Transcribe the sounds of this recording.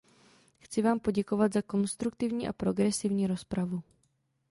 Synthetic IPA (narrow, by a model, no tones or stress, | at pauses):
xt͡sɪvaːmpo̞ɟɛko̞vad̪zako̞nst̪ɾuk̚t̪ɪvɲiːʔa̰pɾo̞ɡɾɛsɪvɲiːɾo̞spɾavu